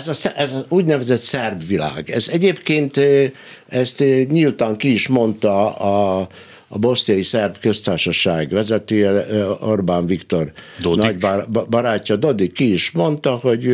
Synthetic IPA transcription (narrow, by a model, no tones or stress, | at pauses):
zɒsɛɛzɒuːɟnɛvɛzɛt̪sɛrbʋila̰ːɡɛzɛɟeːpkeːnt̪ | ɛst̪ɲilt̪ɒŋkiiʃmo̞nt̪ɒɒː | bo̞snijɒjisɛrbkøst̪aːʃɒʃaːɡʋɛzɛt̪øːjɛorbaːɱʋikt̪o̞rd̪onɟbɒɾaːcːɒd̪o̞d̪ikːiiʃmo̞nt̪ɒho̞ɟ